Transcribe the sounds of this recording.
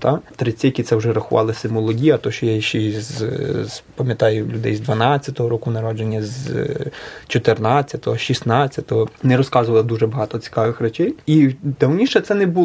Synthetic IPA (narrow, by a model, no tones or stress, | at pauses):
t̪ɑt̪ɾɪt͡sʲijɐkʲit̪sɛwʒɛɾɐxʊʋɑ̰lˠɪsɪmɔlˠɔɦʲijɐt̪ɔʃt͡ʃɔjajʃt͡ʃɛz | pɐmʲjɐt̪ɑjʊlʲʊd̪ɛjzd̪ʋɐnɑt͡sʲːɐt̪ɔɦɔɾɔkunɐɾɔd͡ʒenʲːɐz | t͡ʃɔt̪ernɑt͡sʲːɐt̪ɔɦɔʃisnɑt͡sʲːɐt̪ɔɦɔnɛɾɔskɑzʊʋɐlˠɐd̪uʒɛbɐɦɑt̪ɔt͡sʲi̥kɑʋɪxrɛt͡ʃɛjid̪ɐwnʲiʃɛt̪sɛnɛbu